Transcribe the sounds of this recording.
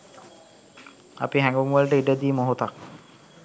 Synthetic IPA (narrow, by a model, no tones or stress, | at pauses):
a̰piɦæŋɡoŋʋəlʈəiɖəd̪iːmoɦot̪ak̚